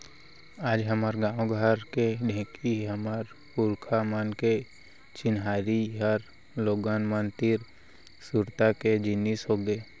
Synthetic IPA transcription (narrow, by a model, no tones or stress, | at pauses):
aːd͡ʒɦəmaɾɡãːwɡʱəɾkeɖʱẽːkʰiɦəmaɾ | puɾkʰamənke | t͡ʃɪnɦaːɾiɦəɾ | loːɡanmənt̪ɪɾ | suɾt̪aked͡ʒɪnːisɦoɡee